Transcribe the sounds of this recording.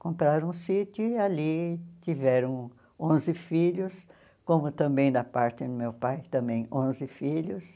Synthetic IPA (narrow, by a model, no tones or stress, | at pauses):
kõmpɾaɾ̃ũsit̪ʊalit̪ivɛɾɐ̃w̃ | õzɪfiʎʊs | kõmʊt̪ɐ̃mbẽj̃d̪ɐpaɾt̪ɪd̪ʊmewpajt̪ɐ̃mbẽj̃õzɪfiʎʊs